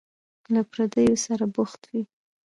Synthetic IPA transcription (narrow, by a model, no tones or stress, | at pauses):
lapɾad̪əjosaɾabʊxt̪wi